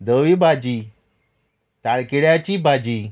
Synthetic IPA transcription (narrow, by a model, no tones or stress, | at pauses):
d̪əʋibʱad͡ʑiː | t̪aɭkiɭjat͡ɕiːbʱad͡ʑiː